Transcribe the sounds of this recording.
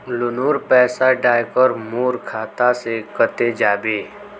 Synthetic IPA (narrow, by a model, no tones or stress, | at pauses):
lʊnuːɾpɛːsaɖaːjkəɾmoːɾkʰaːt̪asekət̪ed͡ʒaːbeː